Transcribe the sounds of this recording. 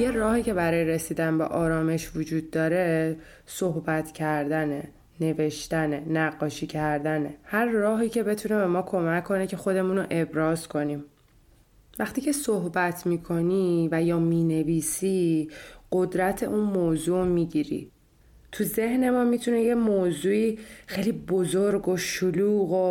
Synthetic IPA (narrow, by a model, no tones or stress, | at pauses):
je̞rɒːhiːcʰe̞bæɾɒːjeɾesiːd̪ænbḛʔɒːɾɒːme̞ʃvod͡ʒuːd̪̚ːɒːɾe̞ | sohbæt̪ʰcʰæɾd̪æne | ne̞ve̞ʃt̪ænenæɢːɒːʃiːcʰæɾd̪æne̞hæɾːɒːɦiːcʰe̞be̞t̪ʰune̞be̞mɒːkʰo̞mæcʰːo̞necʰe̞xo̞d̪e̞munoʔe̞bɾɒːz̥kʰo̞niːm | væχt̪iːcʰe̞soɦbæt̪ʰmiːkʰo̞nivæjɒːmiːne̞viːsi | ɢ̥o̞d̪ɾæt̪ʰe̞̰ʔuːnmoːzuːmiːɟiɾḭ | t̪ʰuze̞hne̞mɒːmit̪ʰunejemoːzuːiːxejliːbozoɾɡoʃoluːɣo